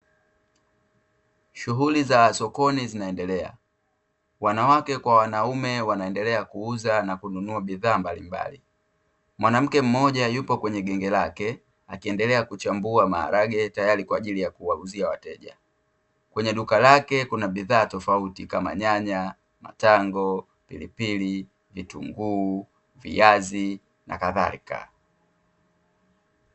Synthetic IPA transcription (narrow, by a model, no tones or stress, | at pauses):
ʃuɦulizasɔkɔnizinaɛndɛlɛa̰ | wanawakɛkwawanaumɛwanaɛndɛlɛakuuzanakununuaɓiðaːmbalimba̰li | mwanam̩kɛm̩mɔʄajupɔkwɛɲɛɡɛŋɡɛlakɛ | akiɛndɛlɛakut͡ʃambuama̰ha̰ɾaɡɛtajalikwaːʄilijakuwaluziawatɛʄa | kwɛɲɛɗukalakɛkunaɓiðaːtɔfautikama̰ɲaɲa | ma̰taŋɡɔ | pḭlipili | vitṵŋɡuː | vḭjazi | na̰kaða̰ḭka̰